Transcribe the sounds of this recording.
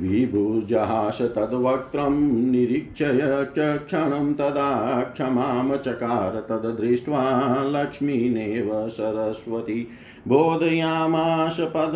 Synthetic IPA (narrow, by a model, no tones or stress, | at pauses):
ʋibʱuːd͡ʒɐɦaːʃɐt̪ɐd̪ʋɐk̚t̪ɾɐmniɾikʂʰɐjɐkʃʰɐkʂʰɐɳɐmt̪ɐd̪aːkʂʰɐmaːmɐt͡ʃɐkaːɾɐt̪ɐd̪ɐd̪ɾiʂʋaːlɐkʂmineːʋɐsɐɾɐsʋɐt̪i | bʱoːd̪ʱɐjaːmaːʃɐpɐd̪